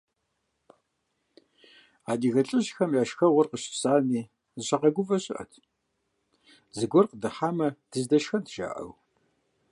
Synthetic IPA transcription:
aːdiːɣɐɬʼɨʑxɐmjaːʃxɐʁʷʊrqəɕɪ̥saːniː | zɨɕɐqɐɡʷʊvɐɕʼɪ̰ʔɐ̰tʰ | zɨɡʷɔrqədɨħaːmɐd̥ʰɨzdɐʃxɐntʰʒ̥a̰ːʔɐ̰w

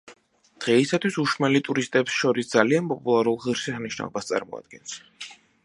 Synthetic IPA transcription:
d̪̥ʁɛisat̪ʰwisuʃmɛlit̪ʼuɾist̪ʼɛpsʃɔɾisd̪zalianpʼɔpʼulˠaɾulˠʁiɾʃɛsniʃna̰lˠɔbast̪sʼa̰ɾmɔ̰a̰d̪̚ɡɛns

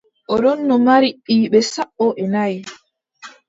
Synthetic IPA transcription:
ʔɔɗɔnːɔmaɾiɗiːɓɛsaɓːɔʔɛnaj

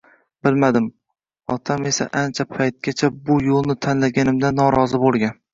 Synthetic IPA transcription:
b̥ɪlmad̪ɪm | ɒt̪ʰame̞sa̰ʔant͡ʃʰapʰajt̪̚ɡʲat͡ʃʰabʊjolˠnɪt̪ʰanlaɡʲanɪmd̪anːɒɾɒzɪbolˠɡʲan

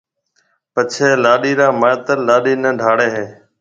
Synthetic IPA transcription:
pət͡ʃʰeːlaːɗiːɾãːmaːt̪əlaːɗiːnəɖʱaːɽeːɦẽː

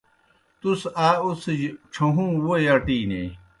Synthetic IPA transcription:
t̪usaːusʈ͡ʂʰoɦũːwojɐʈiːnḛ

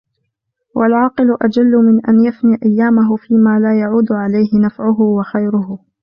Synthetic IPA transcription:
wʔalʕɑːqɨlʊʔad͡ʒalːʊmɪnʔa̰njafniːʔajːaːmaɦʊfiːmaːlaːjaʕuːd̪ʕalajhɪnafʕʊɦʊwaxajɾʊhʊ

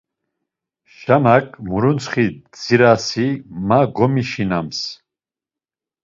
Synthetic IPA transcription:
ʃanakʰʼmuɾunt͡sχid͡ziɾasimaɡɔmiʃinams

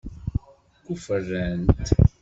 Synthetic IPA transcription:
kufərːənt̪

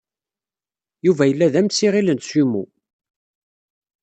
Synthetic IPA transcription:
juvæjəlːæðæmsiʁilənsimṵ

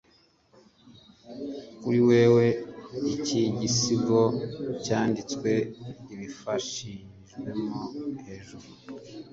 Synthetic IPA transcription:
kuɾiwe̞ːwe̞iciɟisiɡo̞caːndit͡skwe̞iβifaʃiɲiʒɡwemohe̞ʒuɾu

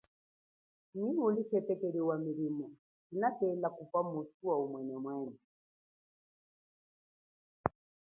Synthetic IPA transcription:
niulikɛtɛkɛliwamilimɔ | inatɛlakupamusuwaumwɛnɛmwɛːnɛ

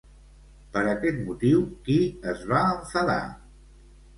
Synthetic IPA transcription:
pəɾəkɛt̪mut̪iwkiəzβaəɱfəða̰

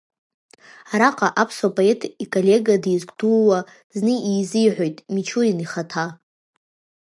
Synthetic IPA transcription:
aɾaqʼaʔapʰsapʼoe̞tʰikʼolʲe̞ɡadizɡʷʼdulwa | znɨizɨjʕʷo̞jtʼmit͡ʃʰuiniχatʰa

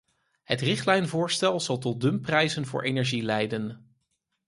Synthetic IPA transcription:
ɦətrɪχtlɛjnvʊːɹstɛlˠzɑlˠt̬ɔt̚dɵmprɛjzənvʊ̰ːɹʔejnɛɹʒilɛjdən

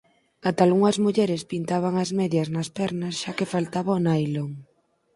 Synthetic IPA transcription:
kat̪alɣuŋɐzmuʎɛɾɪspint̪aβ̞aŋɐzmɛðjɐznɐspɛɾnɐsʃakɪfalt̪aβɐonajloŋ

